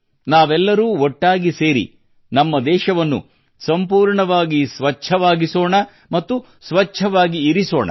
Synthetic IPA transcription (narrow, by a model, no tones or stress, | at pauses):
naːʋɛlːɐɾuːɔʈːaːɡise̞ːɾḭ | nɐmːɐd̪ɛːʃɐʋɐnːṵ | sɐmpuːɾɳɐʋaːɡisʋɐt͡ʃʰɐʋaːɡisoːɳɐ | mɐt̪ːu | sʋɐt͡ʃʰɐʋaːɡiːɾiso̰ːɳɐ̰